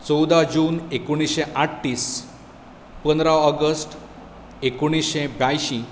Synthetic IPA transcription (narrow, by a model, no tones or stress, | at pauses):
t͡sɔwd̪ad͡ʑuːnekoɽ̃isɕeʔaʈːiːs | pənd̪ɾaɔɡəsʈ | ekoɽ̃iɕebjajɕĩ